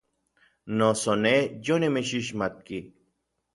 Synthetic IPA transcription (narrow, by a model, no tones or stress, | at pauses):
nosoned͡ʑonemeɕiɕ̬mat̪̚ki